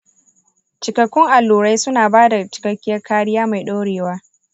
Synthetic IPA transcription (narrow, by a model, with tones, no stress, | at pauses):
t͡ʃɪ˨kɐ˨kʷːʊ˦ŋʔa˨lːuː˨ɽa˦jsʊ˦naː˨baː˦da˨t͡ʃɪ̥˨kɐ˦kʲːɪ˦jɐ˦rkʰaː˦ɽɪ˦jaː˦ma˨jɗa˦ɽeː˨waː˦